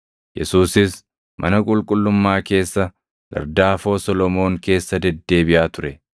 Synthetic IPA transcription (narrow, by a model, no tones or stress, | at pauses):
jɛsuːsɪs | mʔɐnɐkʼʊlkʼʊlːʊmːaːke̞ːsːɐ | ɡɐ̰ɾd̪aːfo̞ːsɔlɔmo̞ːŋke̞ːsːɐd̪ɛd̪ːe̞ːbɪʔaːt̪ʊɾɛ